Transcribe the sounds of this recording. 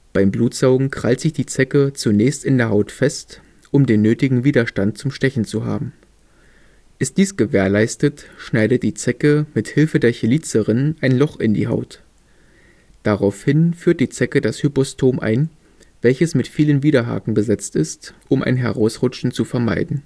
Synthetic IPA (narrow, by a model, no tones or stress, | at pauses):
b̥aɪmbluːtz̥aʊɡŋ̩kʁ̥altz̥ɪçd̥iːt͡sɛkət͡sunɛːçstɪndeːɐɦaʊtfɛst | ʔʊmdeːnːøːtɪɡŋ̩viːdɐʃtant̚t͡sʊmʃtɛçn̩t͡suɦa̰ːbm̩ | ʔɪst̚d̥iːsɡ̥əveːɐlaɪstətʃnaɪdət̚d̥iːt͡sɛkəmɪthɪlfədeːɐçɪliːt͡səʁɪnənʔaɪnlɔχɪndḭːɦa̰ʊt | d̥aʁaʊfhɪnfyːɐt̚d̥iːt͡sɛkədashypɔstʰoːmʔa̰ɪn | v̥ɛlçəsmɪtfiːlənviːɾɐɦa̰ːkŋ̩bəzɛt͡stɪstʔʊmʔa̰ɪnɦɛʁaʊsʁʊt͡ʃn̩t͡sufɛɐma̰ɪdn̩